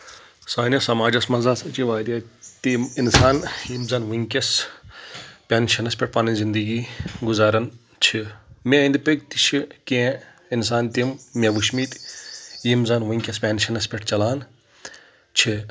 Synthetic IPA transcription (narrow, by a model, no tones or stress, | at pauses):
saːnʲɐsɐmaːd͡ʒɐsmɐnzaːsɐt͡ʃiʋaːɾɐt̪iminsaːnjimzɐnʋiŋkʲɐs | pʲaːnʃɐnɐspʲeʈ̚ʰpanɐzind̪ɐɡiːɡʊzaːɾɐn | t͡ʃʰimʲẽĩnd̪ipeɡ̚t̪it͡ʃʰikẽ | ins̬aːnt̪immʲeʋuʃmit̪ʲjimzɐnʋiŋkʲɐspʲaːnʃʰɐnɐspʲeʈʰt͡ʃɐlaːn | t͡ʃʰi